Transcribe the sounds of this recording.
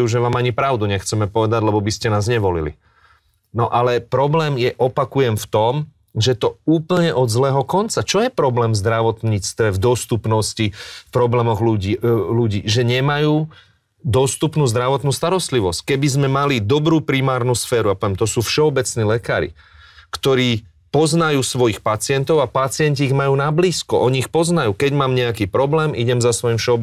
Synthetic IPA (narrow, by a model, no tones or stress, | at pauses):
juʒɛʋaːmaɲipɾaʊd̪uɲɛxt͡sɛmɛpɔʋɛd̪aɟlɛbɔbiscɛnaːzɲɛʋɔlḭlḭ | nɔʔalɛpɾɔblɛːmjɛʔɔpakujɛmft̪ɔm | ʒɛt̪ɔuːpl̩ɲɛʔɔd̪zlɛːɦɔkɔnt͡sat͡ʃɔjɛpɾɔblɛːmzd̪ɾaʋɔt̪ɲiːt͡st̪ʋɛvd̪ɔst̪upnɔscifpɾɔblɛːmɔɣluiluɟiːʒɛɲɛmajuː | d̪ɔst̪upnuːzd̪ɾaʋɔt̪nuːst̪aɾɔst̪liʋɔsckɛbizmɛmalid̪ɔbɾuːpɾimaːɾnuːsfɛːɾuapɔʋjɛmt̪ɔsuːfʃɛɔbɛt͡sniːlɛka̰ːɾḭ | kt̪ɔɾiː | pɔznajuːsʋɔjixpat͡sɪɛnt̪ɔʊapat͡sɪɛnciːiɣmajuːnabliːskɔʔɔɲiixpɔznajuːkɛɟmaːmɲɛakiːpɾɔblɛːmiɟɛmzasʋɔimfʃɛɔb